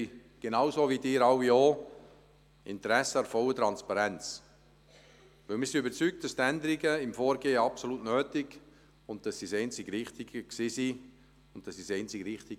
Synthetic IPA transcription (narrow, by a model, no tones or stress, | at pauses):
ɡ̥enɑʊsoːvidɪːɾɑwioː | ɪ̰ntɾɛsəɑɾfɔlət̪ɾɑnspɑɾɛnt͡s | vɪlmɪːɾsiybəɾt͡syk̚t̚d̥ɑstɛndəɾiɡəɪmfoːɾɡeːəɑpsolutnøːtɪɡ | ʊn̚d̥ɑssisɛɪnt͡sɪɡɾɪχtɪɡəksiːsi | ʊn̚d̥ɑsːisɛɪnt͡sɪɡɾɪχtɪ